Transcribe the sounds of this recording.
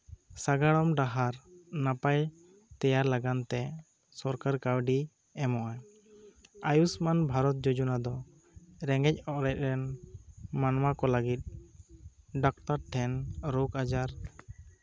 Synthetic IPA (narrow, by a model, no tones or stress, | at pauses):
saɡaɽɔmɖaɦaɾnapaj | t̪ɛjaɾlaɡant̪ɛ | sɔɾkaɾkawɖi | ɛmɔʔaj | ajusmanbʱaɾɔt̪̚d͡ʒod͡ʒunad̪ɔ | ɾɛŋɡɛc̚ˀɔʔɾɛt̪̚ɾɛn | manmakɔləɡit̪̚ˀ | ɖɔk̚ʈaɾʈʰɛnɾukad͡ʒaɾ